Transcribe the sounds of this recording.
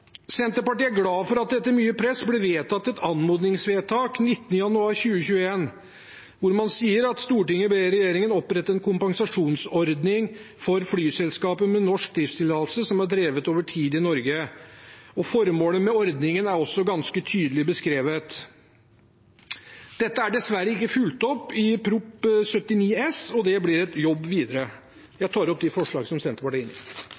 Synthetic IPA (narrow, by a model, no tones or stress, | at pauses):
sɛnt̪əpɑʈiːæɾɡlɑːfɔɾɑt̪̚d̪ɛt̪ːəmyːəpʰɾɛsblɪʋeːt̪ʰɑt̪ːɛt̪ʰɑnmuːd̪nɪŋsʋeːt̪ʰɑːknɪt̪ːənəjɑnʉɑːɾçʉːəçʉːəeːn | ʋʊɾmɑnsiːəɾɑt̪st̪uːʈɪŋːəɔbeɾɛjeːɾɪŋənɔpɾɛt̪ːəɾɛnkʰʊmpɑŋsɑʂuːnsɔɾd̪nɪŋ | fɔɾflyːsɛlskɑːpəmɛnɔʂk̚d̪ɾɪfst̪ʰɪlt̪ʰɑːllsəsɔmæɖɾeːʋət̪oːʋəʈʰiːd̪ɪnɔɾɡə | ɔfɔɾmoːləmɛɔɾd̪nɪŋənæɾɔsːɔɡɑnskət̪ʰyːd̪əlɪbəskɾeːʋət̪ | d̪̥ɛt̪ːəæɖɛsʋæɾːəɪkːəfʉlt̪ɔpːɪpʰɾʊpsœt̪ːɪniːɛsɔd̪ɛblɪɾɛt̪jɔbːʋiːd̪əɾə | jæɪt̪ʰɑːɾɔp̚d̪ɛfɔʂɭɑ̰ːɡəsɔmsɛnt̪əpɑʈɪnɪ